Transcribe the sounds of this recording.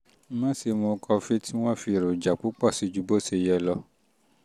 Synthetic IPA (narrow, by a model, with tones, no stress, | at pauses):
mã˦si˧mõ˧kʰɔ˧fe˦tʰi˦w̃ɔ̃˦fi˧˨ɾo˨d͡ʒa˨k͡pu˨˦k͡pɔ˦˨si˨˦d͡ʒu˨˧bo˦se˧jɛ˧lɔ˧